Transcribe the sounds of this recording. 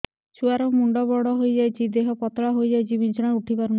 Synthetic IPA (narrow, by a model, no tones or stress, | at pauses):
t͡ʃʰuaɾɔmuɳɖɔbɔɽɔɦojd͡ʒajt͡ʃʰid̪eɦɔpɔt̪ɭaɦojd͡ʒajt͡ʃʰibint͡ʃɔɽ̃auʈʰibaɾu